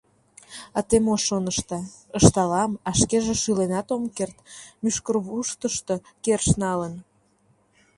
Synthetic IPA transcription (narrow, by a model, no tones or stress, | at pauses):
ɑt̪emoʃonəʃt̪ɑəʃt̪ɑlɑmɑʃkeʒeʃylenɑt̪omkert̪myʃkərβuʃt̪əʃt̪okerʃnɑlən